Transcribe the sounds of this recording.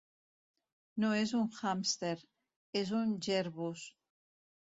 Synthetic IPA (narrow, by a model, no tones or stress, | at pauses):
nɔɛzunχamst̪ɛɾ | ɛzund͡ʒɛɾβus